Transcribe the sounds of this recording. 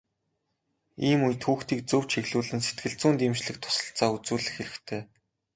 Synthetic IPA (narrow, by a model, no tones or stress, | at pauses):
iːmuj̆t̪xuːxt̪iːk̚t͡sɵw̥t͡ɕʰiɣɮuːɮɘ̆nset̪̚ɡɘ̆ɮt͡suːnt̪imt͡ɕɮɘ̆k̚t̪ʰʊ̥sə̥̆ɬt͡saːut͡suːɮɘ̆xːeɾɘ̆xt̪ʰeː